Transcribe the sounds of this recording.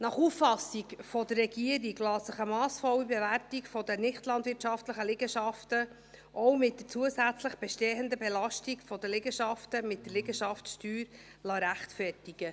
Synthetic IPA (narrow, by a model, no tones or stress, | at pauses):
nɑχufːɑsikfɔdərːɛɡiəɾiɡlɑːsəχəmɑːsfɔwəbɛvæɾtikfɔd̪ənɪχtlɑnd̪vɪɾtʃɑftləχəlɪɡəʃɑftə | ʔɔwmɪt̚dət͡suəsæt͡sləχb̥ɛʃteːənd̪əbɛlɑʃtikfɔd̪əlɪɡəʃɑftəmɪt̚d̥əlɪɡəʃɑftʃtyːɾ | lɑɾæχtfɛrtiɡ̥ə